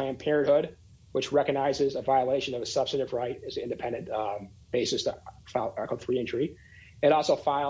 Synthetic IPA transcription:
æ̃npʰɛɹɨ̃nʔhʊd̚ | wət͡ʃɹɛkɨɡ̚naɪzɨzəvaɪəleɪʃɨ̃nʌvɨsʌb̥stɨɾɨvɹaɪɾɨzɪ̃ndɨpʰɛ̃ndɨ̃n | b̥eɪsɨsfkʰʌθɹiɪ̃nt͡ʃɹ̥i | ɨ̃ɾɔlˠsoʊfaɪ

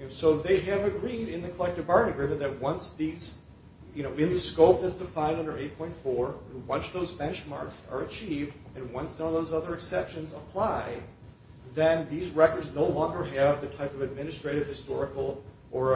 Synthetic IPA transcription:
soʊðeɪɨvɨɡɹiɾɨ̃nðɨkʰəlɛk̚tɨbɑɹɨ̃nɨɡɹɪ̃mɨ̃nðɨt̚wʌ̃nsðiz̥ | jɨnoʊɨ̃nðɨskoʊp̚ðɨtsd̥ɨfãɪ̃ndʌ̃ndə˞eɪt̚pʰɔ̃ɪ̃ntfɔɹɨ̃nwʌ̃nsðoʊzbɛ̃nt͡ʃmɑ̰ɹksə̰˞ɨt͡ʃʰivdɨ̃nwʌ̃nsðə̃nðoʊzʌðə˞ɨksɛpʃɨ̃nzəpʰl̥aɪ | ðɨ̃nðizɹɛkə˞dznoʊlɔ̃ŋɡə˞ɨvðɨtʰaɪpʌvɨd̚mɪ̃nɨstɹ̥eɪɾɨv̥hɨstɔɹɨkl̩ˠ | ʔə˞

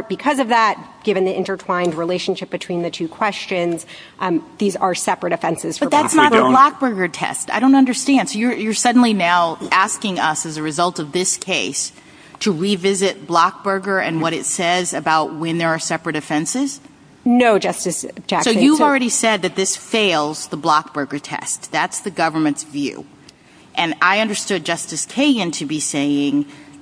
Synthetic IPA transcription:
b̥ɨkʰʌzʌvðæt̚ɡ̥ɪvɨ̃nðiʔɪ̃ntə˞tʰl̥ãɪ̃ndɹileɪʃnʃɪp̚b̥ɨtʰw̥ĩnðɨtʰʉkʰw̥ɛst͡ʃɨ̃nz̥ | ðizə˞sɛpɹɨɾɨfɛ̃nsɨz̥fbʌət̪̚ðætsnət̚ðəblɑk̚b̥ɜ˞ɡə˞tʰɛ̰staɪɾõʊ̃ntʌ̃ndə˞stæ̃nd̥soʊjə˞jə˞sʌdⁿn̩linaʊʔæskɪ̃ŋʌsɨzɨɹɨzʌlˠtʌvðɪskʰeɪs | tʰɨɹivɪzɪt̚b̥lɑk̚b̥ɜ˞ɡə˞ɨ̃nwʌɾɨtsɛzɨbaʊt̚wɨ̃nðə˞ːsɛpɹɨɾɨfɛ̃nsɪz̥ | noʊd͡ʒʌstɨs̚d͡ʒæsoʊjɨvl̩ˠɹɛɾisɛd̪̚ðɨt̪̚ðɪsfeɪlˠzðəblɑk̚b̥ɜ˞ɡə˞tʰɛ̰stðætsðɨɡʌvə˞mɨ̃ntsvjʉ̰ | ʔɨ̃naɪʌ̃ndə˞stʊd̚d͡ʒʌstɨskʰeɪɡɨ̃ntʰɨbiseɪɪ̃ŋ

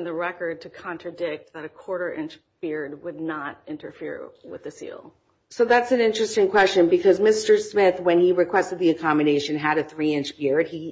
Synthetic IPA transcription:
nðɨɹɛkə˞d̚tʰɨkʰɑ̃ntɹ̥ɨdɪk̚t̪̚ðɨɾɨkʰw̥ɔɹɾə˞ʔɪ̃nt͡ʃ | b̥ɪɹd̚wədⁿnəɾɪ̃ntə˞fɪ̰ɹwɪ̰ðɨsḭlˠ | soʊðætsnɪ̃nt͡ʃɹ̥ɨstɪ̃ŋkʰw̥ɛst͡ʃɨ̃nbɨkʰʌzmɪstə˞smɪθwɨ̃niɹɨkʰw̥ɛstɨd̪̚ðiɨkʰɑmɨɾeɪʃɨ̃nɨɾɨθɹiɪ̃nt͡ʃb̥ɪɹd̚i

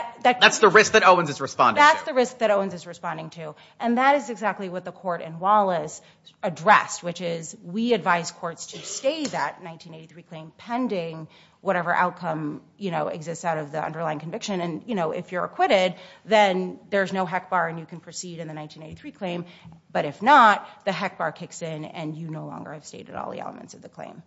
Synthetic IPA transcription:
ðɨt̚ðætsðəɹɪsk̚ðɨɾoʊə̃nzɨzɹɨspɑ̰̃ndðætsðɨɹɪsk̚ðɨɾoʊə̃nzɨzɹɨspɑ̃ndɪ̃ŋtʰʉ | ʔɨ̃nðɨɾɨzɨɡzæk̚tˡliwʌt̪̚ðəkʰɔɹɾɨ̰̃nwɑlˠəs | ɨdɹɛ̰st̚wɨt͡ʃɪzwiɨdvaɪz̥kʰɔɹtstʰɨsteɪðɨtⁿnãɪ̃ntʰĩñeɪɾiθɹikʰl̥ẽɪ̃mpʰɛ̃ndɪ̃ŋ | wʌɾɛvə˞ʔa̰ʊt̚kʰʌ̃m | jɨñoʊɨ̰ɡzɪstsaʊɾʌvðiʌ̰̃ndə˞laɪɪ̃ŋkʰɨ̃ɱvɪkʃɨ̃nɨ̃njɨñoʊʔɪ̰fjə˞ɨ̰kʰw̥ɪɾɪd̪̚ðɨ̃nðə˞znoʊɦɛk̚b̥ɑɹɨ̃njɨkʰɨ̃n̩pʰɹ̥ɨsiɾɨ̃nðɨnãɪ̃ntʰĩneɪɾiθɹikʰl̥ẽɪ̃mb̥ʌɾɨfnət̪̚ðɨɦɛk̚b̥ɑɹkʰɪksɪ̃nɨ̰̃njɨnoʊlɔ̰̃ŋɡə̰˞ɨv̥steɪɾɨ̰ɾɔ̰lˠðḭɛ̰lˠə̰m̰̃ntsʌvðɨkʰl̥ḛ̃ɪ̃m

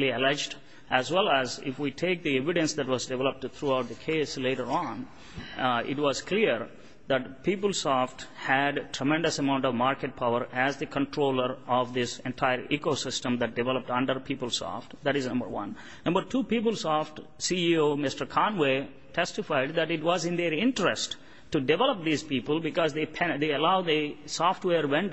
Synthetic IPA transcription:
liəlɛd͡ʒɖ | ʔæzwɛlæzɪ̰fwiʈʰeːk̚d̪iɛʋɪɖə̃nsd̪æʈwɔzɖɪʋɛləp̚ʈt̪ʰɾuaʊʈ̚d̪əkʰeːsleːʈəɾɔ̃n | ɪ̰ʈwɔzkʰliɾ | d̪æʈpiːpəlsɔfʈhæɖʈʰɾəmɛ̃ɳɖəsəmãʊ̃ɳʈɔʋmaɾkeʈ̚pʰaʊəɾæzd̪ikə̃ɳʈʰɾoːləɾɔʋd̪ɪsɛ̃nʈʰaɪəɾikosɪsʈə̃md̪æʈ̚ɖɪʋɛləp̚ʈʌ̃ɳɖəɾpʰiːpəlˠsɔ̰fʈd̪æʈɪznʌ̃mbə̰ɾwʌ̰̃nː | ʌ̃mbəɾʈʰuːpiːp̬əlsɔfʈ | siioːmɪsʈəɾkʰãnwe | ʈʰɛsʈɪfaɪɖ̚d̪æʈɪʈʋɔzɪ̃nd̪eɾɪ̃nʈɾɛsʈ | ʈːuɖɪʋɛləp̚d̪iːzpiːpəlˠbɪkɔzd̪epʰɛ̃d̪eəlaʊd̪isɔːfʈweːɾʋɛ̃nɖ

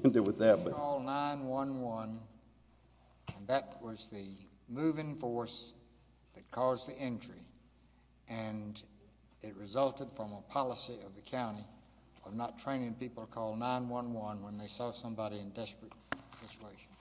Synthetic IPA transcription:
ndɨwɨðæt̚bɔlˠnãɪ̃nwʌ̃nwʌ̃n | ɨ̃nðɨt̚wʌzðɨ | mʉvɪ̃ŋfɔɹs | ðɨt̚kʰɔzðiʔɛ̃nt͡ʃɹ̥i | ɨ̃n | ɨt̚ɹɨzʌlˠtɨd̥fɹʌ̃məpʰɑlˠəsiʌvðɨkʰãʊ̃ɾ̃i | ʌvnətʰɹ̥ẽɪ̃nɪ̃ŋpipl̩ˠtəkʰɔlˠnãɪ̃nwʌ̃nwʌ̃nwə̃nðeɪsɔsʌ̃mbɑɾiɨ̃ndɛspɹɨt̚sɪt͡ʃueɪʃn̩

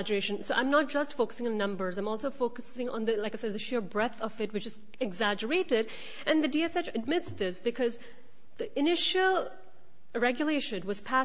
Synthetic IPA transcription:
d͡ʒə˞eɪʃɨ̃nsoʊã̰ɪ̃mnət̚d̥ʒ̥ʌstfoʊkə̥sɪ̃ŋɨ̃nːʌ̃mbə˞zãɪ̃mɔlˠsoʊfoʊkɨsɪ̃ŋə̰̃nðɨlaɪkaɪsɛd̪̚ðɨʃɪɹbɹɛθʌvɨt̚wɨt͡ʃɨz̥ | ɨɡzæd͡ʒə˞eɪɾɪɾ | ʔɨ̃nðɨdiɛsɛt͡ʃɨd̚mɪtsðɪsb̥ɨkʰʌz | ðiʔɨnɪʃl̩ˠ | ɹɛɡjɨleɪʃɨ̃nwʌz̥pʰæ

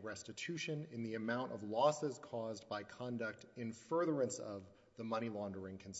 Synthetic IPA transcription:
ɹɛstɨtʰʉʃɨ̃nɨ̃nðiɨmãʊ̃ntʌ̰vlɔsɪz̥kʰɔzbaɪkʰɑ̃ndʌk̚tɨ̃nfɜ˞ðə˞ɨ̃nsʌv | ðəmʌɾ̃ilɑ̃ndə˞ɪ̃ŋkʰn̩s

